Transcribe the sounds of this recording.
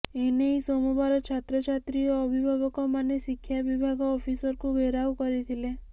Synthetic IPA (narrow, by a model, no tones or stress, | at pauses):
eneisɔmubaɾɔt͡ʃʰat̪ɾɔt͡ʃʰat̪ɾiɔːbʱibʱabɔkɔmanesikʰːjabibʱaɡɔːfʰisɔɾkũɡʱeɾawkɔɾit̪ʰile